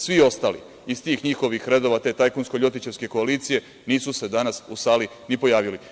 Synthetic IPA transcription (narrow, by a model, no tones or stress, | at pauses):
sʋio̞st̪aːlḭ | ist̪iːxɲixo̞ʋixɾe̞d̪oʋat̪e̞t̪ajkonskoʎo̞t̪it͡ɕe̞ʋske̞koaliːt̪sije̞ | niːsuse̞d̪anasusaːli | nipo̞jaːʋili